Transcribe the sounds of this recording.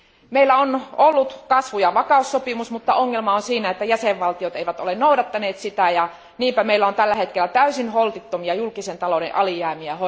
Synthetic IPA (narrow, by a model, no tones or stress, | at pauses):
meilːˑæonolːut̪kɑsʋujɑʋɑkɑˑusːopimusmut̪ːɑoŋːelmɑonsiːnæet̪ːæjæseʋʋɑlt̪iot̪eiʋæt̪olennouɾɑt̪ːɑneːt̪sit̪æjɑ | niːmpæmeilːæont̪ælːæhet̪̚kelːˑæt̪æysinholt̪it̪ːomiɑjulkisent̪ɑlodḛʔɑlijæːmiæho